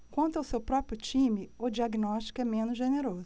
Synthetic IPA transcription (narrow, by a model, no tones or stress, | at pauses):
kwɐ̃nt̪ʊawsewpɾɔpɾjʊt͡ʃĩmɪʊd͡ʒiaɡnɔʃt͡ʃi̥kʊɛmẽnʊzʒeneɾozʊ